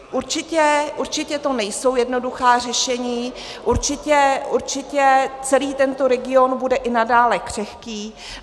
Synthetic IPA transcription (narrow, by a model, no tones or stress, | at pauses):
ʔuɾt͡ʃɪcɛʔuɾt͡ʃɪcɛt̪o̞nɛjso̞wjɛdno̞duxaːr̝ɛʃɛɲiː | ʔuɾt͡ʃɪcɛuɾt͡ʃɪcɛt͡sɛliːt̪ɛnt̪o̞ɾɛɡɪo̞nbudɛʔɪnadaːlɛkr̝̥ɛxkiː